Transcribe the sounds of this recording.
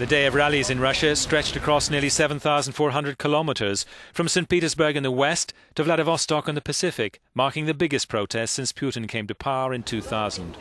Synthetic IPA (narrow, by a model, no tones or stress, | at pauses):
ðɨdeɪʌvɹælˠizɨ̃nɹʌʃɨstɹ̥ɛt͡ʃtɨkʰɹ̥ɔsnɪɹlˠisɛvə̃n̩θaʊzn̩d̥fɔɹɦʌ̃ndɹɨd̚kʰəlɑməɾə˞z̥fɹʌ̃msẽɪ̃npiɾə˞zbə˞ɡɨ̃nðəwɛstʰɨvlæɾəvɔstɔkn̩ðəpʰɨsɪfɪkmɑɹkɪ̃ŋðɨbɪɡɨspʰɹ̥oʊtʰɛstsɪ̃nspʰj̥ʉʔn̩kʰẽɪ̃mtɨpʰaɹɨ̃ntʰʉθaʊz̃nd̥